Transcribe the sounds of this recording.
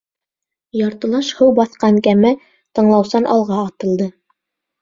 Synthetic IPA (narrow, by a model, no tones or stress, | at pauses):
jɑɾt̪ɤ̆lˠɑʃhɤwbɑθqɑŋkæmæ | t̪ɤ̆ɴlˠɑwsɑnʔɑlˠʁɑːt̪ɤ̆lˠd̪ɤ